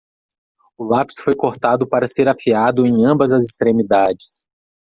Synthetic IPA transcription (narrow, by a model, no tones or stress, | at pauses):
ʊlapi̥sfojkoɾt̪ad̪ʊpaɾɐseɾafiad̪ʊẽj̃ɐ̃mbɐzɐzist̪ɾẽmid̪ad͡ʒɪs